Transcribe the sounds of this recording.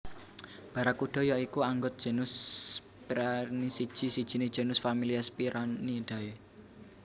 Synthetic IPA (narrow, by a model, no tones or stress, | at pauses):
b̥a̤ɾakuɖ̥ɔ̤jɔikuaŋɡʊt̪̚d̥ʒ̥ə̤nʊs | piɾanisid̥ʒ̥i̤sid̥ʒ̥i̤ned̥ʒ̥ə̤nʊsfamiliaspiɾʔanid̪̥a̤e